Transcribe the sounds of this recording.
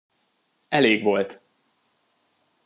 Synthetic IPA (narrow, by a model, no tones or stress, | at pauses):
ɛleːɡʋo̞lt̪